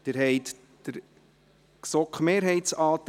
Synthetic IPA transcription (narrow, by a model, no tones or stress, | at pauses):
d̥ɪɾɦɛjt̪ | d̥əɾ | ksɔkχmeːɾɦɛɪtsɑːt̪